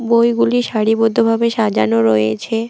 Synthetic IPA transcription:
bojɡuliʃaɽibod̪ʱːobʱabeʃad͡ʑa̰noɾoḛt͡ɕʰe

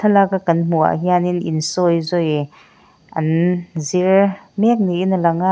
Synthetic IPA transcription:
t̪ʰalakakɐnm̥ua̰ʔɦianininsɔjzɔj | ʔɐnziɹmɛk̚niʔinlɐŋa

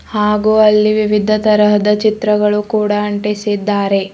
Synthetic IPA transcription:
haːɡuɐlːiʋiʋid̪ʱɐt̪ɐɾɐɦɐd̪ɐt͡ʃit̪ɾɐɡɐɭukuːɽaɐɳʈesid̪ːaːɾe̞

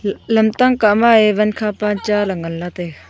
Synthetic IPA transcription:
lɐmt̪aŋkaʔmaeʋɐnkʰapant͡ʃalɐŋɐlːat̪e

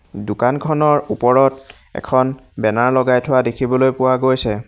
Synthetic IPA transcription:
dʊkankʰɔnɔɹupɔɹɔt | ɛ̰kʰɔnbɛnaɹlɔɡajtʰʊwadekʰibɔlojpʊwaɡojsɛ

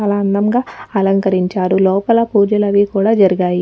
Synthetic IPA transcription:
ɐlɐːnd̪ɐmɡaːɐlɐŋkɐɾiɲt͡ʃaːɾulɔːpɐlɐpuːɾd͡ʒɐlɐʋiːkuːɽaːd͡ʒɐɾiɡaːji

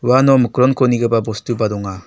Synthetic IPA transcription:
wanɔmɯkɯɾɔnkʰoniɡɯbabɔstɯbad̪ɔŋa

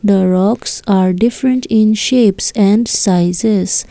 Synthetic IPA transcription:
d̪əɾɔksaːɾɖɪfɾə̃ɳʈĩnʃeːpsɛ̃ɳɖsaɪzes

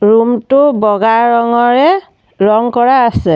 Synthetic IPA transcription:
ɹumtʊbɔɡaɹɔŋɔɹɛ | ɹɔŋkɔɹaːsɛ

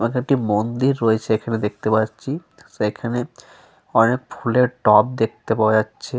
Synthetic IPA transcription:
makeek̚ʈimond̪iɾːoet͡ɕʰeekʰaned̪ek̚t̪epatːt͡ɕʰi | sekʰane | ɔnek̚fʰuleɾʈɔp̚d̪ek̚ʰt̪epaeatːɕʰe

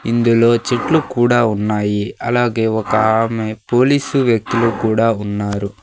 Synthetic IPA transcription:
ind̪ulo̞ːt͡ʃiʈlukuːɽaːunːaːjiɐlaːɡe̞ːɔkɐɦaːmepo̞ːliːsuʋjɐk̚t̪ulukuːɽaːunːaːɾu

